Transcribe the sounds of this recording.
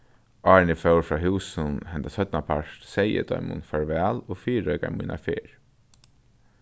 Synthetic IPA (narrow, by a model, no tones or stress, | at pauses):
ɑːɹnifœwɹfɹɑːɦuːsənhɛnt̪asœt̪napʰaʂt̪sɛjə̰d̪œ̰ʏmʊ̰nfaɹʋæːloːfiːɾœʏka̰muːnʔa̰fḛːɹ